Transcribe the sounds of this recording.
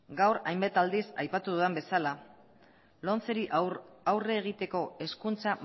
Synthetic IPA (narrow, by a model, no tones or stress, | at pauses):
ɡawɾajmbat̪ald̪isajpat̪uðuðembe̞sala | lo̞nt͡se̞ɾiʔawre̞ːɣ̞it̪e̞ko̞e̞skunt͡sa